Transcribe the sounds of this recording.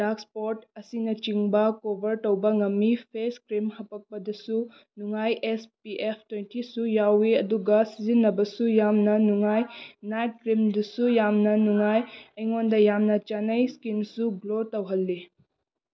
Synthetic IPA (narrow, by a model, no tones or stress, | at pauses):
dakspoɾtɐsinɐt͡ʃiŋbɐkobʱɐɾtɐwbɐŋɐmːipʰeskɾimhɐpɐk̚pɐdɐsu | nuŋajʔespiʔepʰtwentʰisujawiɐduɡɐsizinːɐbɐsujamnɐnuŋajnajt̚kɾimdusujamnɐnuŋajɐjŋondɐjamnɐt͡ʃanɐjskinsuɡlotɐwɦɐlːi